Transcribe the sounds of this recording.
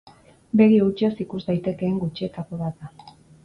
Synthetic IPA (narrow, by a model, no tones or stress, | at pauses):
be̞ɣiut͡ʃiosikuzd̪ajt̪e̞ke̞ːŋɡut͡ʃie̞t̪akoβat̪d̪a